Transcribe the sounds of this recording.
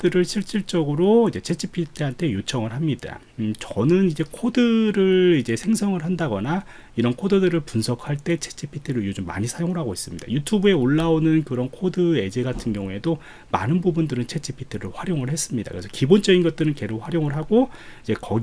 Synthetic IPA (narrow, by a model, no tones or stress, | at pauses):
dɯɾɯɭɕʰiɭɕ͈iɭt͡ɕ͈ʌɡɯɾoid͡ʑe̞t͡ɕʰet͡ɕʰipʰitʰɯɦantʰe̞jut͡ɕʰʌŋɯɭɦamɲida̰ | t͡ɕʌnɯnid͡ʑe̞kʰodɯɾɯɭid͡ʑe̞sʰe̞ŋsʰʌŋɯɭɦandaɡʌna | iɾʌnkʰodɯdɯɾɯɭpunsʰʌkʰhaɭt͈e̞t͡ɕʰet͡ɕʰipʰitʰɯɾɯijud͡ʑomːa̰ɲisʰajoŋɯɭɦaɡoɦis͈ɯmɲid̥a̰jutʰubue̞oɭːaonɯnkɯɾʌnkʰodɯe̞d͡ʑe̞ɡatʰɯnɡjʌŋue̞do | ma̰nɯnbubundɯɾɯnt͡ɕʰe̞t͡ɕʰipʰi̥tʰɯɾɯɭɸwaɾjoŋɯɭɦe̞s͈ɯmɲida̰kɯɾesʰʌkibont͡ɕ͈ʌɡinɡʌt̚t͈ɯɾɯnke̞ɾok̚ʰɸwaɾjoŋɯɭɦaɡoid͡ʑe̞kʌ̰